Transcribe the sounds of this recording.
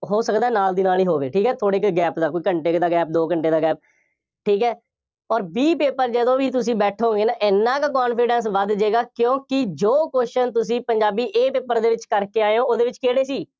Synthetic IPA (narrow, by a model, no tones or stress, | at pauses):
ɦoːsəkd̪aɛːnaːld̪iːnaːliːɦoːʋeːʈʰiːkɛːt̪ʰoːɽeːkɡɛːpd̪aːkoiːkəɳʈeːkd̪aːɡɛːp̚d̪oːkəɳʈeːd̪aːɡɛːp̚ | ʈʰiːkɦɛː | ɔːɾbiːpeːpəɾd͡ʒəd̪õːʋiːt̪ʊsĩːbɛːʈʰõoːɡeːnaːʔɪnːãːkakaːnpɪːɖɛ̃ːns̬ʋəd̪d͡ʒeːɡaːkjõːkɪd͡ʒoːkoːʃənt̪ʊsĩːpəɲd͡ʒaːbiːʔeːpeːpəɾd̪eːʋɪt͡ʃkəɾkeːaːeõːoːd̪eːʋɪt͡ʃkeːɽeːsiː